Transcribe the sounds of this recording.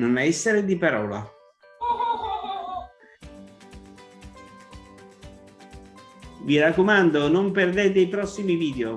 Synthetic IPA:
nonaɛsːeɾed̪ipaɾɔːla̰ | virakːomand̪onomperd̪eːt̪eipɾɔsːimiviːd̪eo

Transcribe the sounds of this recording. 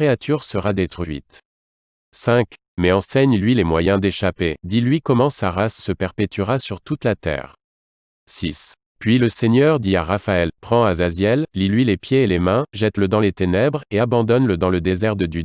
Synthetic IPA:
eat̪ʰyʁsəʁad̪et̪χɥɥḭt̪ | sɛ̃k | mɛɑ̃sɛɲlɥilemwajɛ̃d̪eʃaped̪ilɥikɔmɑ̃saʁasːəpɛʁpet̪yʁasyʁt̪ut̪lat̪ɛ̰ːʁ | sis | pɥiləseɲœʁd̪ia̰ʁafaɛlpχɑ̃azazjɛllilɥilepjeːlemɛ̃ʒɛt̪ləd̪ɑ̃let̪enɛbʁeabɑ̃d̪ɔnləd̪ɑ̃ləd̪ezɛʁd̪əd̪y

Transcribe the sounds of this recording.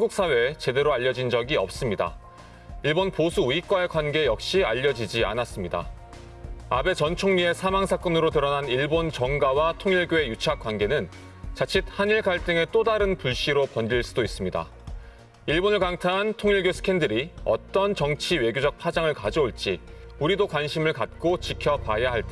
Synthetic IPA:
anɡuk̚s͈awe̞t͡ɕe̞de̞ɾoaʎːʌd͡ʑind͡ʑʌɡiʌ̰p̚s͈ɯmɲida̰ | iɭbonposʰuuik͈wae̞kwanɡe̞jʌk̚ɕ͈iaʎːʌd͡ʑid͡ʑia̰nas͈ɯmɲida̰ | a̰be̞t͡ɕʌnt͡ɕʰoŋɲie̞sʰamaŋsʰak͈ʌnɯɾotɯɾʌnaniɭbont͡ɕʌŋɡawatʰoŋiɭɡjoe̞jut͡ɕʰak͈wanɡe̞nɯn | t͡ɕat͡ɕʰit̚haniɭkaɭt͈ɯŋe̞t͈odaɾɯnpuɭɕ͈iɾopʌnɡiɭs͈udois͈ɯmɲida̰ | iɭbonɯɭkaŋtʰanɦantʰoŋiɭɡjosʰɯ̥kʰe̞ndɯɾiʌ̰t͈ʌnt͡ɕʌŋt͡ɕʰiwe̞ɡjod͡ʑʌk̚pʰad͡ʑaŋɯɭkad͡ʑʌoɭt͡ɕ͈i | uɾidokwanɕʰimɯɭkat̚k͈ot͡ɕikʰjʌpajaɦaɭt͈e

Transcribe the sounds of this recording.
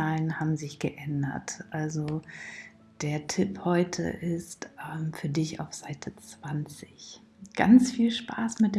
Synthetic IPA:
aːlənhaːbm̩zɪçɡ̥əʔɛndɐ̰tʔalzo | d̥eːɐtʰɪphɔʏtʰə̰ʔɪstʔɛmfyːɐdɪça̰ʊfz̥aɪtʰət͡sv̥ant͡sɪç | ɡ̥a̰nt͡sfiːlʃpʰa̰ːsmɪt̚d̥eː

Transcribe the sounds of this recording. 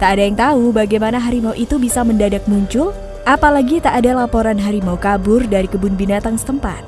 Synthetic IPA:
t̪aːdajaŋt̪aubaɡajmanaɦaɾimauʔit̪ubisaməndadak̚muɲt͡ʃʊl | ʔapalaɡit̪aʔːdalapoɾanɦaɾimawkabʊrdaɾikəbʊnbinat̪aŋsə̥t̪əmpa̰t̪̚

